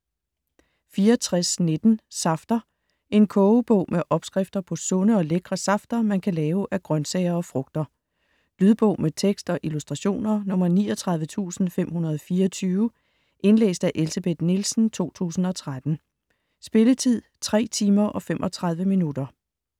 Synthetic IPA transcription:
fiːɐɒt͡sʰʁasned̥n̩sɑ̈fd̥ɐ | ʔe̝nkʰɔːb̥ɔ̰̽ʊ̰mʔeʔɒ̽b̥sɡ̥ʁɛfd̥ɐpʰɒ̽sɔ̽nəɒ̽leɡ̥ʁɐsɑ̈fd̥ɐmænkʰælɛːʊʔæɡ̥ʁɶnsɛɪɐɒ̽fʁɔ̽ɡ̥̚d̥ɐ | lyðˠb̥ɔ̽ʊ̰met͡sʰeɡ̥sd̥ɒ̽ʔilusd̥ʁɑ̈ɕo̝̰ːnɐnɔ̽mɐnḭːɒt͡sʰʁɑ̈ðˠʋət͡sʰṵːsn̩fem̰hunɐð̞ˠɒfiːɐɒt͡sʰyːʊə | ʔe̝nlḛːsd̥æʔe̝lsæb̥e̝d̥nilsn̩t͡sʰo̝̰ːt͡sʰṵːsn̩ɒ̽t͡sʰʁad̥n̩ | sb̥e̝lət͡sʰið̰ˠt͡sʰʁɛ̰ːt͡sʰiːmɐʔɒ̽femʔɒ̽t͡sʰʁɑ̈ð̞ˠʋəminud̥ɐ

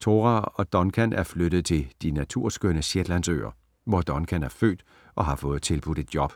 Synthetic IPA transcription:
t͡sʰo̝ːʁæɒ̽d̥ɒ̽nkʰænʔæɐfløɾ̥əð̞̩ˠt͡sʰe̝ld̥inæt͡sʰuɐ̰sɡ̥ønəsjed̥lænsø̰ːɐ | ʋɒd̥ɒ̽nkʰænæɐfø̰ːd̥ | ʔɒ̽ɦɑ̈fɔ̽ːð̞̩ˠt͡sʰe̝lb̥ud̥e̝d̥jɒ̽b̥

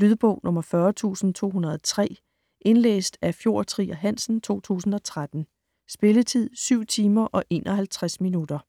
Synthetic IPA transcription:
lyðˠb̥ɔ̽ʊ̰nʔɔ̽mɐfɶɐt͡sʰṵːsn̩t͡sʰo̝̰ːɦunɐð̞ˠt͡sʰʁɛ̰ː | ʔe̝nlḛːsd̥æfjo̝ɐ̰t͡sʰʁḭːæɦæn̰sn̩t͡sʰo̝̰ːt͡sʰṵːsn̩ɒ̽t͡sʰʁad̥n̩ | sb̥e̝lət͡sʰið̰ˠsyʊ̰t͡sʰiːmɐʔɒ̽ʔe̝ːnʔɒɦælt͡sʰʁasminud̥ɐ

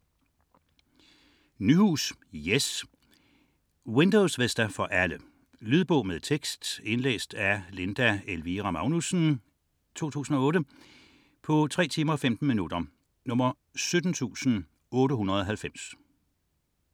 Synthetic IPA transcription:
nyhuːsjes | wend̥ɔʊsʋesd̥æfɒ̽ʔælə | lyð̞ˠb̥ɔ̽ʊmeðˠt͡sʰeɡ̥sd̥e̝nlḛːsd̥æle̝nd̥æelʋiʁɑmɑ̈ʊnusn̩ | t͡sʰo̝̰ːt͡sʰṵːsn̩ɒ̽ɔ̽ːɾə | pʰɒ̽t͡sʰʁɛ̰ːt͡sʰiːmɐɒ̽femd̥n̩minud̥ɐ | nɔ̽mɐ | sød̥n̩t͡sʰṵːsn̩ | ɔ̽ːɾəɦunʁɐðˠɒ̽ɦælfem̰s

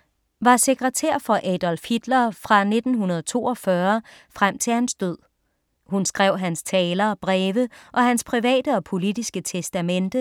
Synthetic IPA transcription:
ʋɑ̈se̝ɡ̥ʁɐt͡sʰḛɐ̰fɒ̽ʔɛd̥ɒ̽lfhid̥lɐfʁɑ̈ne̝d̥n̩ɦunɐð̞ˠt͡sʰo̝̰ːɒ̽fɶɐfʁam̰t͡sʰe̝lhænsd̥øð̰ˠ | hunsɡ̥ʁɛʊ̰ɦænst͡sʰɛːlɐb̥ʁɛːʋəʔɒ̽ɦænspʰʁiʋɛ̰ːd̥əɒ̽pʰo̝lid̥isɡ̥ət͡sʰesd̥æmend̥ə

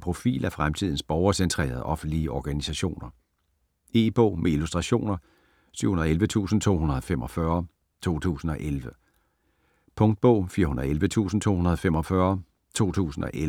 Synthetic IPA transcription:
pʰʁo̝fḭːlʔæfʁamt͡sʰið̞̰ˠn̩sb̥ɒʊɐsent͡sʰʁḛːɐð̞̩ˠʔɒ̽fn̩d̥liəʔɒɡ̥ænisæɕo̝̰ːnɐ | e̝ːb̥ɔ̰ːmʔeilusd̥ʁɑ̈ɕo̝̰ːnɐ | syʊ̰hunɐðˠelʋət͡sʰṵːsn̩t͡sʰo̝̰ːhunɐðˠɒ̽fem̰ɒ̽fɶɐ | t͡sʰo̝̰ːt͡sʰṵːsn̩ɒ̽ʔelʋə | pʰɔ̽ŋd̥̚b̥ɔ̽ʊ̰fiːɐɦunɐð̩ˠelʋət͡sʰṵːsn̩t͡sʰo̝̰ːhunɐð̞ˠɒfem̰ɒ̽fɶɐ | t͡sʰo̝̰ːt͡sʰṵːsn̩ɒ̽ʔel

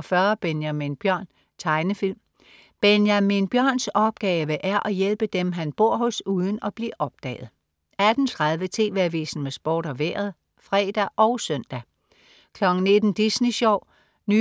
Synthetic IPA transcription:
fɶɐb̥enjæminb̥jɶɐ̰n | t͡sʰɑ̈ɪnəfil̰m | b̥enjæminb̥jɶɐ̰nsɒ̽b̥̚ɡ̥ɛːʋəʔæɐʔɒ̽jelb̥əd̥emɦænb̥o̝ɐ̰ɦɔ̽suːð̞ˠn̩ɒ̽b̥liʔɒ̽b̥̚d̥ɛ̰ːð̞̩ˠ | æd̥n̩t͡sʰʁað̞ˠʋət͡sʰe̝̰ːʋeɐʋḭːsn̩mesb̥oːɾɒ̽ʋeːɐð̩ˠ | fʁɛ̰ːd̥æʔɒ̽ʊsœn̰d̥æ | kʰlɒ̽ɡ̥n̩ne̝d̥n̩d̥isniɕɒʊ̰ | ny

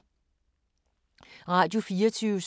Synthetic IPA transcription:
ʁɑ̈ːd̥jo̝fiːɐt͡sʰyːʊəs

